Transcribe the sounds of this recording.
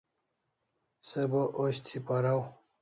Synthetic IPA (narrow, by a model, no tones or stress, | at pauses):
seboʔoɕt̪ʰipɐɾaw